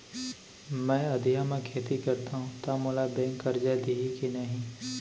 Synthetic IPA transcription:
mɛ̃ːɐd̪ʱijamẽkʰeːt̪ikɐɾt̪aɦũt̪amoːlabɛ̃ːŋkːɐɾd͡ʒad̪iɦikinɐɦĩ

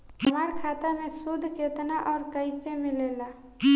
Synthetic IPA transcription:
ɦəmaɾkʰaːt̪amẽsʊd̪ʱːket̪naʔɔːɾkəɪsemɪleːla

